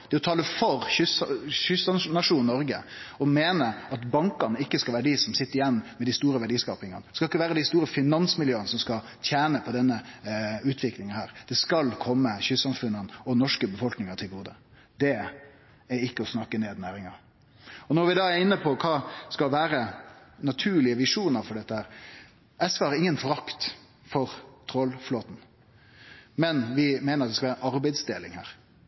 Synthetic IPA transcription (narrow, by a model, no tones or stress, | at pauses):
d̪̥ɛɔt̪ʰɑːləfɔɾʏsɕʏsɑnɑʂuːnnːɔɾɡə | ɔmeːnəɑt̪bɑŋkɑnəɪkːəskɑlʋæːɾəɖ̪isɔmsɪt̪ːəɾɪjɛnːmɛd̪ɪst̪uːɾəʋæɖiːskɑ̰ːpɪŋɑnəskɑlɪkːəʋæːɾəd̪ɪst̪uːɾəfɪnɑnsmɪljøːənəsɔmskɑ | t̪ʰjæːnəpʰɔd̪ɛnːəʉːt̪ʰʋɪklɪŋənhæːɾd̪̥ɛskɑlkʰɔmːəçʏsːɑmfʉnːənɔnɔʂkəbəfɔlknɪŋɑt̪ʰɪlɡuːd̪ə | d̪ɛ | æɾɪkːəɔsnɑkːəneːd̪næːɾɪŋɑ | ɔnɔɾʋɪd̪ɑːæɾɪnːəpʰɔkʰɑːskɑlʋæːɾənɑt̪ʰʉːɭɪəʋɪʂuːnəɾfɔɖɛt̪ːəhæːɾ | ɛsʋəhɑɾɪŋːənfɔɾɑkt̪ | fɔɾt̪ʰɾɔlfloːt̪n̩ | mɛnʋɪmeːnəɑt̪ɛskɑlʋæːəɑɾbæɛɪd̪sd̪eːlɪŋhæ̰ːɾ